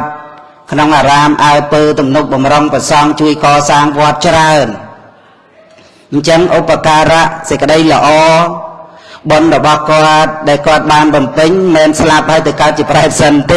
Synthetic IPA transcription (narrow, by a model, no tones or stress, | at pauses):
t̪̚ | kʰnoŋʔaːɾaːmʔaɔjpəːt̪umnuk̚ɓɑmroŋprɑsɑŋt͡ɕuəjkɑːsaːŋʋŏət̪̚t͡ɕraən | ɲt͡ɕəŋʔupːakaːɾaʔsəc̚kə̆ɗəjlə̆ʔɑː | ɓonrɔɓɑhkŏət̪̚ɗaɛlkŏət̪̚ɓaːnɓɑmpɨɲmɛːnslap̚haəjt̪ɨwkaət̪̚t͡ɕiəpɗaɛp̚sənt̪eː